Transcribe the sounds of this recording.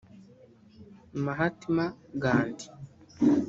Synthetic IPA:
maɦatimaɡaːndi̥

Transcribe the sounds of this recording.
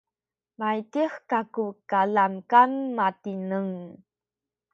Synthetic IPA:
majtixkakukalamkanmatinəŋ

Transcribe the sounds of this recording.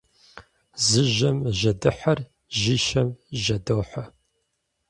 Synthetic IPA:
zɨʒɐmʒɐdɨħɐr | ʒiːʃɐmʒɐdoːħɐ

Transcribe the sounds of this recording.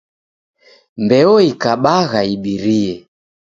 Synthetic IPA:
mbɛɔikaɓaɣaiɓiɾiɛ

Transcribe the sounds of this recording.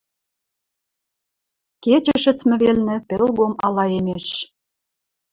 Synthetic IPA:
ket͡ɕə̆ʃə̆t͡smɘ̆βelnɘ̆pelɣomɑlɑemeʃ

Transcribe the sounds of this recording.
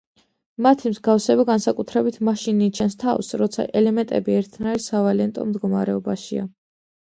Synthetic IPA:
mat̪ʰimzɡafsɛbaɡansakʼut̪ʰɾɛbit̪ʰmaʃiniːt͡ʃʰɛnst̪ʰa̰fsɾɔt̪sʰa̰ʔɛlɛmɛnt̪ʼɛbiɛɾt̪ʰnaiɾsavalɛnt̪ʼɔ̰md̪ɡɔmaɾɛɔbaʃia̰

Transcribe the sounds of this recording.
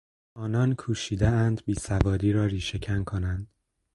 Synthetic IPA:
ʔɒːnɒːnkʰuːʃiːd̪eænd̪biːsævɒːd̪iːɾɒːɾiːʃecʰænkʰonænd̪̥

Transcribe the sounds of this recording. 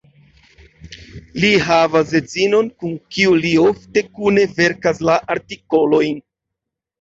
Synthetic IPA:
liɦavas̬de̞d͡zino̞nkuŋkiuliofte̞kune̞ve̞ɾkaslaʔaɾtiko̞lo̞jn

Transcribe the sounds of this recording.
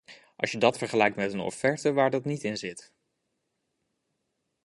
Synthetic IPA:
ʔɑ̰ʃjədɑtfəɹχəlɛjk̚tmɛtənɔ̰fɛɹtəʋaːɹdɑtnitɪnzɪt

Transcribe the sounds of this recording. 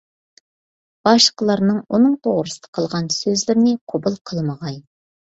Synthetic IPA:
b̥ɑʃqəlˠɑɾnɨŋonɨŋt̪ʰoʁɾɨsd̪ə̥qʰəlˠʁɑnsøzlɪɾnɪqʰobəlˠqʰəlˠmɑʁɑj

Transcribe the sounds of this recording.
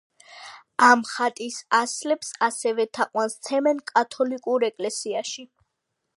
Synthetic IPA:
amχat̪ʼisaslɛpsasɛvɛt̪ʰaqʼwanst̪sʰɛmɛnkʼat̪ʰɔlikʼuɾɛkʼlɛsiaʃi

